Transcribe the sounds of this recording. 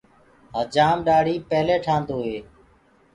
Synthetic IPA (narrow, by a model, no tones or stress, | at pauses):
ɦəd͡ʒaːmɗaːɽiːpəːleːʈʰãːnd̪oːɦeː